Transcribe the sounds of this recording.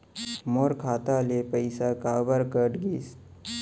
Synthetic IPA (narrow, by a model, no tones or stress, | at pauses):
moːɾkʰaːt̪alepəɪsakaːbəɾkəʈɡiːs